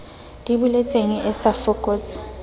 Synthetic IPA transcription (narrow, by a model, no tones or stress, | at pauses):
dʼiɓulɛt͡sʼeŋɛʔɛsafɔkʼoːt͡sʰʼi̥